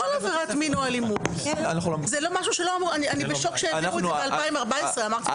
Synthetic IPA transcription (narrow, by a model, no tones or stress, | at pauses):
olaveʁat̪minoalimut | anaχlzelo̞maʃ̬uʃelo̞amʁuanianibeʃokʃeuibealpaimaʁbaesʁeamaʁt̪i